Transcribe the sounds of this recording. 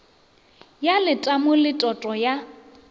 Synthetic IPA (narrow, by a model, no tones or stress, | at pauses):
jalɪtʼamʊlɪtʼɔtʼɔja